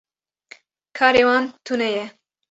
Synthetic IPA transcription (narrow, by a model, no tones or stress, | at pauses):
kʰɑːɾeːwɑːnt̪ʰunɛjɛ